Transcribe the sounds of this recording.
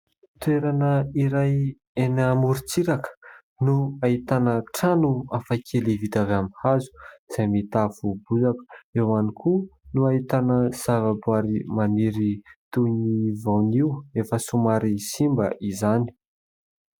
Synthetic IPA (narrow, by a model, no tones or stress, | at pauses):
t̪ueɾanəiɾaj | enamuɾit͡siɾakə̥ | nuait̪anəʈ͡ʂanuafakʰelivit̪avamihazu̥iz̥ajmit̪afubuzakə̥ewanikʰunuait̪anəz̥avabwaɾimaniɾit̪univawniwefəsumaɾisimbəʔizani̥